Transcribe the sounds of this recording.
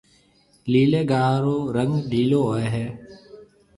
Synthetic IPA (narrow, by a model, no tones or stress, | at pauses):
liːleːɡaːɾoːɾəŋɡɗʱiːloːoːeːɦɛː